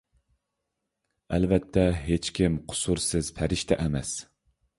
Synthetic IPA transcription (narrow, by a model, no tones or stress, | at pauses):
ælvɛt̪ʰːɛɦet͡ʃkʲʰimqʰʊ̥suɾsɪz̥pʰæɾɪʃt̪ʰɛʔɛmɛ̰s